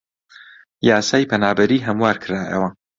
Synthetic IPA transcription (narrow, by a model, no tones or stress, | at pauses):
jaːsaːjpʰɐnaːbɐɾiːɦɐmwaːɾkʰɨɾaːʔɐ̰wɐ